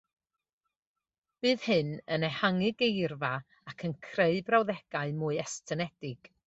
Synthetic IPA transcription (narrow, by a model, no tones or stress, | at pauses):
b̥ɨːð̥hɨnənɛhaŋɨɡejrva | akʰənkʰreɨbrawðɛɡ̥aɨmʊɨɛstʰənɛd̥ɪɡ̥